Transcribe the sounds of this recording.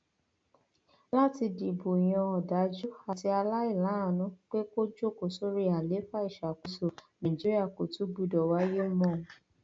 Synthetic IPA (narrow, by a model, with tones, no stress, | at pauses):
la˦˨ti˧di˨bo˨i˨j̃ã˧ɔ˨da˨˦d͡ʒu˦a˨ti˧a˧la˦i˦˨la˨˦a˦˨nũ˨˦k͡pe˦ko˦d͡ʒo˦˨ko˨so˦ɾi˦a˨le˨˦fa˦i˦˨ʃa˨ku˨so˨nã˨i˨d͡ʒi˦ɾi˦a˦˨ko˨tu˨˦bu˧˨dɔ˨wa˦je˦mɔ̃˦˨